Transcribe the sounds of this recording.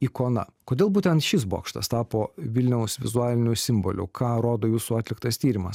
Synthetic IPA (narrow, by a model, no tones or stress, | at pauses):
iːkoːnɐ̰koːd̪ʲeːlˠbuːt̪ʲɛnt̪ʃʲɪsbo̰ːkʃt̪ɐ̰st̪ɑːpoːʋʲɪlʲnʲɛʊsʋʲɪ̰zʊɑːlʲɪnʲuːsʲɪmbo̰ːlʲʊ̰kʰɑːɾoːd̪oːjuːsuɑːt̪ʲlʲɪkt̪ɐst̪ʲiːɾʲɪmɐs